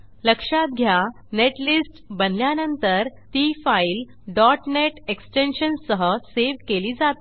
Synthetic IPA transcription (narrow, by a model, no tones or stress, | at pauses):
ləkʂat̪̚ɡʱja | neʈlisʈbənljanənt̪əɾt̪iːfail | ɖɔʈneʈeksʈenɕənsəɦəseʋkeliːd͡zat̪